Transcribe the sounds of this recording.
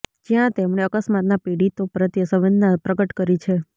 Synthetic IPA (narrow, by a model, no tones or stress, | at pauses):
d͡ʒijãt̪emɳeəkəsmat̪napeɽit̪opɾət̪jəsəʋənnapɾəɡəʈkəɾit͡ʃʰe